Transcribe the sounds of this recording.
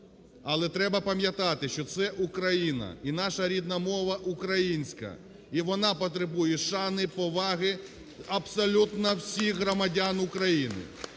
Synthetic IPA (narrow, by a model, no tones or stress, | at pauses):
ɐlˠɛt̪ɾɛbɐpɐmʲjɐt̪ɑt̪ɪʃt͡ʃɔt̪sɛʔukɾɐjinɐ̰inɑʃɐɾʲid̪nɐmɔʋɐʔukɾɐjinʲsʲkɐ̰ | iʋɔnɑpɔt̪ɾebujɛʃɑnɪpɔʋɑɦɪ | ɐbsɔlʲut̪nɐwsʲixɦɾɔmɐdʲanʊkɾɐjinɪ̰